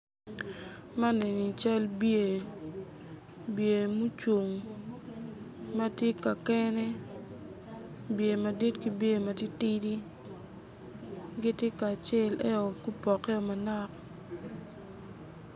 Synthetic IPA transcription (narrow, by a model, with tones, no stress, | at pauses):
ma˦ne˨ni˨t͡ʃa˦lbje˨ | bje˨mu˦t͡ʃo˨ŋ | ma˦tje˦ka˨kɛ˦nɛ˦ | bje˨ma˨di˦tki˦bje˦˨ma˨ti˦ti˦di˦ | ɡɪ˦tje˦kaː˨t͡ʃe˦˨lɛ˦o˨ku˦pɔ˨kɛ˦o˨ma˨na˦k̚